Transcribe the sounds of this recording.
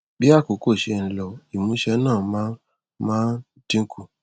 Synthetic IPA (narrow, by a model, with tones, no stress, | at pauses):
bi˦a˦˨ko˨ko˦˨ʃe˧nĩ˨lɔ˨i˨mũ˧˦ʃɛ˧˦nãː˦˨mã˦ | mãː˦n | tĩ˦ku˦˧˨